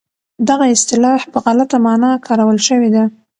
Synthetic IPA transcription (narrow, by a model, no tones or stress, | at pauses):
d̪aɣaɪst̪ɪlɑhpəɣalat̪amɑnɑkʰɑɾawəlʃəwed̪a